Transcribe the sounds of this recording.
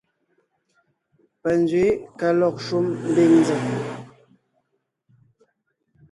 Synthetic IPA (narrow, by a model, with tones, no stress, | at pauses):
pə˨nd͡zɥe˨˦ka˨lɔ˨k̚ʃu˦mm̩˦bi˦˨ŋnd͡zə˨